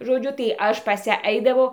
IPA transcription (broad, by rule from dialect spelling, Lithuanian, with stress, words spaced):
ʒoːˈd͡ʒʲʊ tɐɪ ˈɐʃ pɐs ˈjæː ˈɐɪdɐʋɐʊ